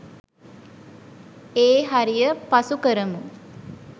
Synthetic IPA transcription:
eːɦaɾijəpasukəɾəmu

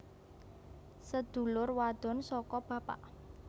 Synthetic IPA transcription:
səd̪̥ṳlʊrwad̪̥ɔ̤nsɔkɔb̥a̤pa̰ʔ

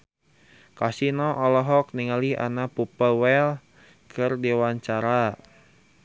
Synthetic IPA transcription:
kasinɔʔɔlɔɦɔk̚niŋaliʔa̰napupəwɛl | kʰərdiwaɲt͡ʃaɾa

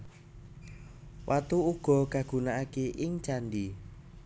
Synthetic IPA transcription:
wʔat̪uuɡ̥ɔ̤ɡaɡ̥ṳnaakeʔɪŋt͡ʃandi

